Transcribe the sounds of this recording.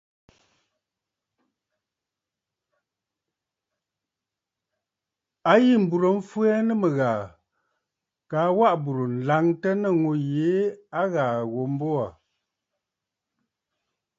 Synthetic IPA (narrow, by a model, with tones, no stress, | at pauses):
a˦ji˦˨m̩˨bu˨ɾə˨ɱ̩˦fu˦ɛ˦nə˦mə˨ɣaː˨ | kaː˨˦wa˦ʔbu˨ɾo˨n̩˨la˨˦ŋtə˦nə˦˨ŋo˨je˨˦a˦ɣaː˨ɣo˨m˦bo˦a˨